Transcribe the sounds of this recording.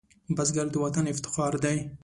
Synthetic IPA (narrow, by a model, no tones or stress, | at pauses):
bazɡaɾd̪əwat̪anɪft̪ɪ̥xɑɾd̪aj